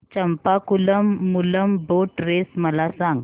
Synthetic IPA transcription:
t͡ɕəmpakuləmːuləmboʈɾesməlasãŋɡ

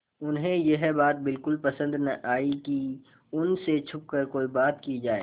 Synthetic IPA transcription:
ʊnɦẽjɐɦbaːt̪̚bɪlkʊlpɐsə̃nd̪nɐʔaːiki | ʊnset͡ʃʰʊp̚kəɾkoːibaːt̪kid͡ʒaːeː

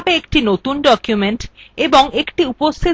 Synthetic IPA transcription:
beek̚ʈinot̪unɖɔkjumeɳʈeboŋekʈiupost̪ʰi

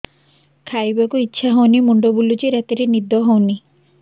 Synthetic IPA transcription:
kʰajbakuitːʃʰaɦownimuɳɖobulut͡ʃiɾat̪iɾenid̪ɔɦowni

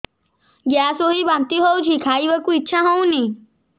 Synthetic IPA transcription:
ɡjaːsoɦibãnt̪iɦowt͡ʃʰikʰaːiʋəkuitːʃʰaɦoũnĩ

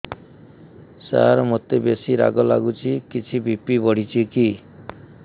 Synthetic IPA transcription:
sa̰ɾmot̪ebesiɾa̰ɡɔla̰ɡut͡ʃʰikit͡ʃʰibʱipibɔɽ̤it͡ʃʰiki

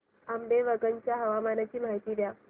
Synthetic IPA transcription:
amɖeʋəɡənt͡ɕjaɦəʋamanat͡ɕiːmaɦit̪iːʋja

